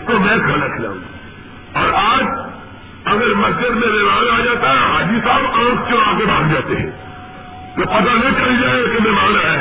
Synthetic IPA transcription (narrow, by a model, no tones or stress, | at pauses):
t̪omɛ̃kʰɐlɐkʰla̰ːṵ̃ɡ | ɔːɾaːd͡ʒ | ɐɡəɾmɐsd͡ʒɪd̪mẽʋemaːnaːd͡ʒaːt̪aɦɛɦaːd͡ʒisaːbãːkt͡ʃõaːɡebʱãːnd͡ʒaːt̪eɦɛ̰̃ | t̪opɐt̪̬anĩt͡ʃɐlid͡ʒaːekemẽmãːnɐ